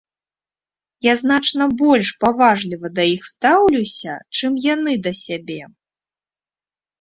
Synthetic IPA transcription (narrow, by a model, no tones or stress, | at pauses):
jaznat͡ʂnɐbɔlʲʂpavaʐlʲivɐd̪ɐjixst̪awlʲuwsʲɐ̰t͡ʂɨmjanɨd̪ɐsʲabʲɛ